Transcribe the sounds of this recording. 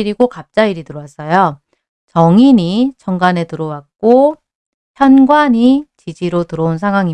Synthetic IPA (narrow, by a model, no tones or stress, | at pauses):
iɾiɡokap̚t͡ɕ͈aiɾitɯɾowas͈ʌjo | t͡ɕʌŋiɲit͡ɕʰʌŋɡane̞tɯɾowak̚k͈o | ɸʰjʌnɡwaɲit͡ɕid͡ʑiɾotɯɾʌunsʰaŋɦwaŋi